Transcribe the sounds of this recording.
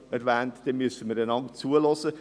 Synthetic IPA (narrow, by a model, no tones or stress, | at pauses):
ɛɾvɛːntd̥ɛnmysəməɾdɛnɑŋt͡suəlosə